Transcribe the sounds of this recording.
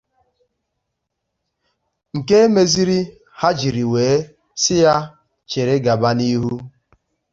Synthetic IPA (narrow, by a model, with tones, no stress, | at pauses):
ŋ̩˨ke˦e˦me˦zi˦ɾi˦ | ha˦d͡ʒi˨ɾi˨weː˨˦ | sɪ˦ja˦ | t͡ʃe˨ɾe˦ɡa˨ba˦ni˦ɦu˦